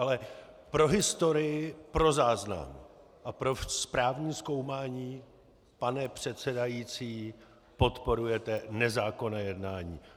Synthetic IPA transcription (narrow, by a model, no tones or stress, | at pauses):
alɛ | pɾo̞ɦɪst̪o̞ɾɪjɪpɾo̞zaːzna̰m | ʔapɾo̞spɾaːvɲiːsko̞wmaːɲiː | panɛpr̝̥ɛt̪sɛdajiːt͡siː | po̞t̪po̞ɾujɛt̪ɛnɛzaːko̞nɛjɛdnaːɲḭː